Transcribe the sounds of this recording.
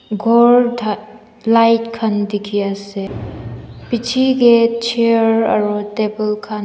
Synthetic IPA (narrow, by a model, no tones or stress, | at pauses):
ɡʱɔɾd | lajtkʰandikʰiase | pit͡ʃʰiɡet͡ʃʰeɾɐ̰ɾutebelkʰan